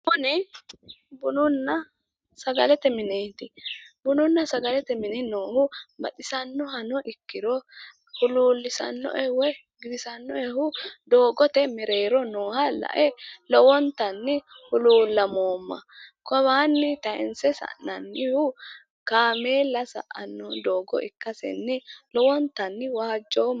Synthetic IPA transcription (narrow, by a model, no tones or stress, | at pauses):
bʊnɪ | bʊnʊnːɐ | sɐɡɐlɛt̪ɛmɪneːt̪ɪbʊnʊnːɐsɐɡɐlɛt̪ɛmɪnɪnoːhʊbɐ̰t̪ɪsɐnːɔɦɐnɔʔɪkːɪɾɔ | hʊluːlːɪsɐ̰nːɔ̰ʔɛwɛ | ɡɪd̪ɪsɐnːɔɛhʊd̪o̞ːɡɔt̪ɛmɛɾeːɾɔnoːhɐlɐ̰ʔɛlɔwɔnt̪ɐnːɪ | hʊluːlːɐmoːmːɐ̰kɔβaːnːɪt̪ɐʔɛnsɛsɐ̰ʔnɐnːɪhʊ | kaːmeːlːɐsɐ̰ʔɐ̰nːɔd̪oːɡɔ̰ʔɪ̰kːɐsɛ̰nːɪlɔwɔnt̪ɐnːɪwaːd͡ʒːoː